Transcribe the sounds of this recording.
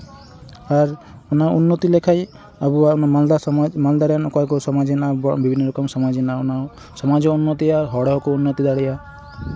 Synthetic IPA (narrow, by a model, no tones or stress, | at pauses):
aɾ | unaɾunːɔt̪ilekʰaj | abuanamald̪amald̪aɾjankɔekusɔmad͡ʒinabbibʱinːɔɾɔkɔmsɔmad͡ʒinauna | sɔmad͡ʒɔunːɔt̪iaɾɦɔɽɔɦɔkuunːɔt̪id̪aɽia